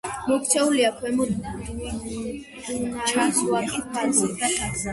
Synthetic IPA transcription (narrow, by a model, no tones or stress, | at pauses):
mɔk̪̚ʰt͡ʃ̪ʰɛuliakʰwɛmɔd̪ | aɾsuakʼipʰalsi